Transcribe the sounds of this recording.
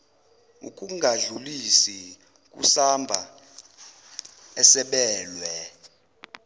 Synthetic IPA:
ṵkʼuŋɡʱaɮulisi | k̬ʼṵsambʱa | ɛsɛɓɛːlwɛ

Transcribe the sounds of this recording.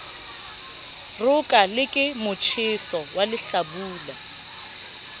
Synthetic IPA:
rʊkʼalɪkʼɪmʊt͡ʃʰɪsɔwalɪɬabuːla

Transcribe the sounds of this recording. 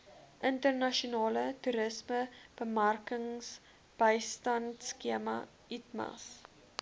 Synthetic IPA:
ʔəntərnɐʃonɑːlətuɾəsməb̥əmɐrkəŋs | b̥əjstɐntskiəmɐ̰ | itmɐ̰s

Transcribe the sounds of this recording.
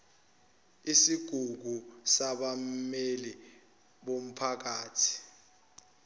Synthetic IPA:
isiɡ̥ʱuk̬usaɓameli | ɓom̩pʰak̬aːtʰi̥

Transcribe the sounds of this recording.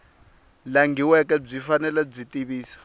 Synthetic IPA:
laŋɡiwɛk̬ʼɛb͡ʐifanɛlɛb͡ʐitʼiβiːsḁ

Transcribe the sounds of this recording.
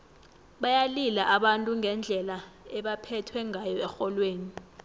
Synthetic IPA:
ɓajalilaʔaɓantʼuŋʱɛnd͡ɮʱɛlaɛɓapʰɛtʰwɛŋʱajɔɛxɔlweːni

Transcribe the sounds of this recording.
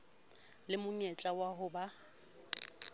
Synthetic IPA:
lɪmʊɲɛt͡ɬʼawaɦʊba

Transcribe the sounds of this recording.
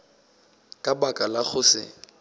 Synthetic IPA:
kʼabakʼalak͡xʊsɪ̰

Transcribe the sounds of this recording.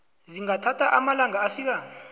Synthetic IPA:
ziŋatʰatʰaʔamalaŋaːfiːk̬aː

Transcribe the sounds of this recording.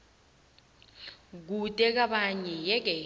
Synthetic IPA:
k̬utʼɛk̬aɓaɲɛjɛk̬ɛ

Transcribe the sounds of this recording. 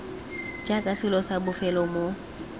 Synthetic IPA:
d͡ʒʼakʼasɪlɔsabʊfɛlɔmo

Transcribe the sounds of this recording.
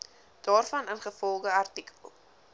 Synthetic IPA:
d̥ɑːrfɐnənχəfɔlˠɡəɐrtikə̰lˠ

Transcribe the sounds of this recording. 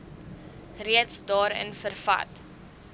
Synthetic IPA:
riətsdɑːɾə̰nfərfɐ̰t

